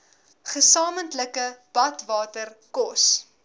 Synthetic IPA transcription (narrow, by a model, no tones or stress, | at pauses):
χəsɑːməntləkəb̥ɐtvɑːtərkɔs